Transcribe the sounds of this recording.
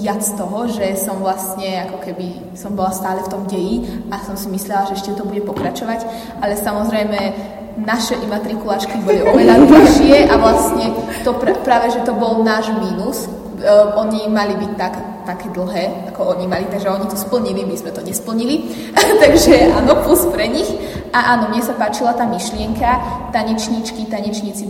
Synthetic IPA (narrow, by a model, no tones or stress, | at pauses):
jat͡st̪ɔɦɔʒɛsɔmvlast̪ɲɛakɔkɛbi | sɔmbɔlast̪aːlɛft̪ɔmɟɛjiasɔmsimislɛlaʒɛɛʃcɛt̪ɔbuɟɛpɔkɾat͡ʃɔʋac | ʔalɛsamɔzɾɛjmɛ | naʃɛʔimat̪ɾikulaːt͡ʃkibɔliʔɔʋɛʎad̪̩ʃɪɛʔaʋlastɲɛt̪ɔpɾpɾaːʋɛʒɛt̪ɔbɔlnaːʒmiːnus | ʔɔɲimalibic̚t̪ak | t̪akɛːd̪l̩ˠɦɛːakɔɔɲimalit̪aɡʒɛɔɲit̪ɔspl̩ɲilimizmɛt̪ɔɲɛspl̩ɲili | t̪aɡʒɛaːnɔpluspɾɛɲixʔaʔaːnɔmɲɛsapaːt͡ʃilat̪aːmiʃlɪɛŋkat̪aɲɛt͡ʃɲit͡ʃkit̪aɲɛt͡ʃɲit͡si